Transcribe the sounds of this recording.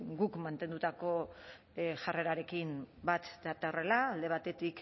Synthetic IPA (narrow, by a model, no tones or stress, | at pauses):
ɡukmant̪e̞nd̪ut̪ako̞ | ʝare̞ɾaɾe̞kimbat̪d̪at̪aore̞laːld̪e̞β̞at̪e̞t̪ik